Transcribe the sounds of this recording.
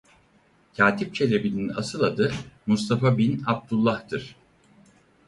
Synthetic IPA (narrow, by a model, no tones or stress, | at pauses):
cʰaːt̪ʰip̚t͡ʃʰe̞lʲebininasɯlˠad̪ɯmust̪ʰafabinab̚d̪ulˠːaht̪ɯɾ̥